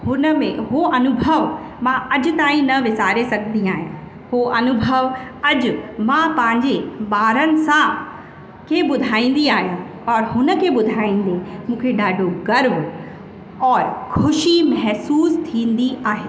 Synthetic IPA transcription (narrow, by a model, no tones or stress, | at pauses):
hʊnəmẽɦoɐnʊbʱəʋ | mãɐʄʊ̆t̪aːĩnɐʋɪsaːɾesɐɡʱə̃nd̪iaːɦijãː | hoʔɐnʊbʱəʋɐd͡ʑʊ̆mãpɐ̃ɦɪ̃ɲd͡ʑeɓaːɾənɪ̆sã | kʰeɓʊd̪ʱaːĩːn̆d̪iaːɦjã | ɔɾɦʊnə̆kʰeɓʊd̪ʱaːĩːn̆d̪emũːkʰeɗaːɖʱoɡɐɾb | ɔːɾkʰʊʃimɐɦsuːst̪ʰĩːn̆d̪iʔaːɦeː